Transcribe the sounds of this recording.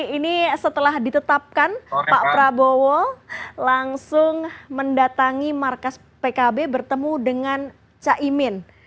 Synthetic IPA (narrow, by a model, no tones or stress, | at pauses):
inisət̪əlahdit̪ət̪ap̚kanpaʔpɾabowolaŋsʊŋməndat̪aŋimarkas | pekabebərt̪əmudəŋan | t͡ʃaʔimɪn